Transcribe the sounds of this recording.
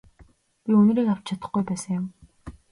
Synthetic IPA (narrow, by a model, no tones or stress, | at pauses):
pʲiɵn̆ɾiːkaw̥t͡ɕt͡ɕʰat̪ə̆χɡujpæːsə̆ŋjʊ̆m